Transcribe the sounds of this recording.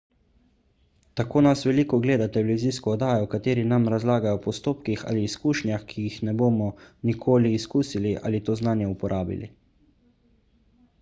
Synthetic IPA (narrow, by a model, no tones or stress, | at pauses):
t̪akoːnasʋɛliːkɔɡleːd̪at̪ɛlɛʋʲiziːskɔɔd̪aːjɔwkat̪eːɾinamɾazlaːɡajɔpɔst̪oːpkixa̰ːliːskuːʃnjaxkʰijixnɛboːmɔnikʰoːliːskuːsiliʔa̰ːlit̪oːznaːnjɛupɔɾʔaːbḭlḭ